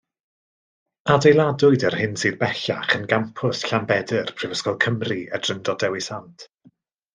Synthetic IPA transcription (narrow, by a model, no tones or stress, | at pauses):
adejlˠadʊɨdərhɪnsɨːðbɛɬa̰χənɡampʰʊsɬambɛdərpʰrɨvəskɔlˠkʰəmriə̰d̥rəndɔdɛwisantʰ